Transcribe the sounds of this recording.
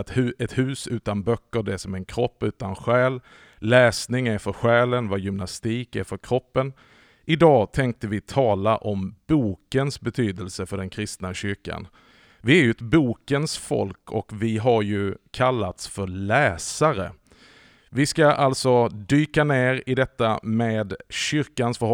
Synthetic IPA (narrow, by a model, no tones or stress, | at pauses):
t̪hʉɛt̪hʉ̟ːsʉ̟ːt̪anbœkːəɖɛsɔmɛnkʰɾɔpːʉ̟ːt̪anɧɛːlː | ɛːsnɪŋæɾfœɾɧɛːlənvajʏmnast̪iːkæɾfœɾkʰɾɔpːən | ʔɪd̪ɑːɡt̪ʰɛŋk̚t̪əvɪt̪ʰɑːlaʔɔmb̥uːkənsbɛt̪ʰyːd̪əlsəfœɖɛnkʰɾɪst̪naɕʏɾka̰n | vɪæɾjɵɛt̪buːkənsfɔ̰lkʰɔkvɪɦaɾjɵkʰalːat̪sfœɾɭɛːsaɾə̰ | vɪskaʔalt̪sɔd̪yːkaneːɾɪd̪ɛt̪ːameːd̪ɕʏɾkansfœɾ